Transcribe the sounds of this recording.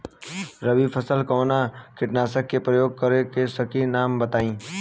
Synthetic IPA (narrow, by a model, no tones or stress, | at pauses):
ɾəbipʰəsəlkɔːnakɪʈnaːsəkːepɾəjoːɡ̚kəɾekesəkinaːmbət̪aːĩː